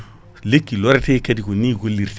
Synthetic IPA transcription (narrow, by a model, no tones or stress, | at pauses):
lekːiloɾtekediɡuniɡulːiɾt